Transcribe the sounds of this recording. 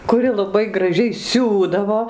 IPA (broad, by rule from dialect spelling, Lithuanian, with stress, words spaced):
kʊˈrʲɪ lˠɐˈbɐɪ ɡrɐˈʒʲɛɪ ˈsʲuːdɐʋoː